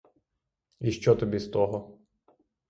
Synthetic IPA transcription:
iʃt͡ʃɔt̪ɔbʲist̪ɔɦɔ

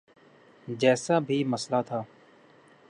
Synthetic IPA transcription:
d͡ʒɛːsabʱiːmɐslat̪ʰaː

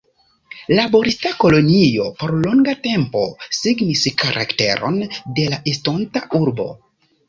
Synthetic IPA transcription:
labo̞ɾistako̞lo̞nijo̞po̞ɾloŋɡate̞mpo̞̰siɡniskaɾʔa̰kte̞̰ɾo̞̰nde̞laʔisto̞ntaʔuɾbo̞̰

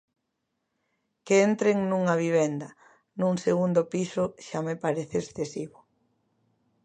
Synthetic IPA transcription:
keent̪ɾeŋnũŋɐβ̞iβend̪ɐ | nũŋseɣund̪ʊpisʊʃamepaɾeθeesθesiβʊ

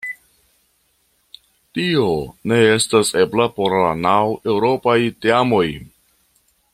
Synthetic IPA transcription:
tio̞ne̞e̞stase̞blapo̞ɾla̰nawe̞wɾo̞pajteamo̞j

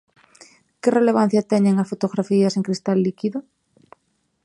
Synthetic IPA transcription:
kɪreleβ̞an̟θjɐt̪ɛɲeŋɐsfot̪oɣɾafiɐseŋkɾist̪alːikiðʊ

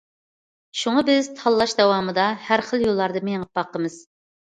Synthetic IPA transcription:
ʃuŋɑbɪz̥t̪ʰɑlˠːɑʃd̪ɛwɑːmɨd̪ɑhæɾχəlˠjolˠːɑɾd̪ɨmeŋəp̚ɑqʰːəmɨz̥

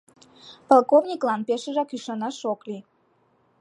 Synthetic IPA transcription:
pɑlˠkovnʲiklɑnpeʃəʒɑkyʃɑnɑʃokli

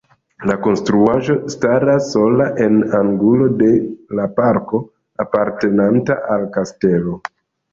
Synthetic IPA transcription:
lako̞nstɾuaʒo̞staɾasːo̞laʔe̞naŋɡulo̞de̞lapaɾko̞ | apaɾte̞nantaʔalkaste̞lo̞

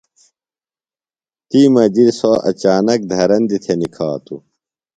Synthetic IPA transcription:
t̪imɐd͡ʑiɾsoɐ̰t͡ɕaːnɐk̚d̪ʱɐɾɐnd̪it̪ʰenikʰaːt̪ṵ

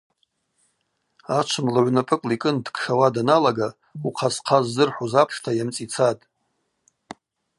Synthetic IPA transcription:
at͡ʃʷʰɨmlaʕʷnapʰʼɨkʼlikʼɨndkʰʂawadanalaɡa | uqʰasqʰazːɨrħʷuzapʰʂtʰajamt͡sʼit͡sʰatʼ

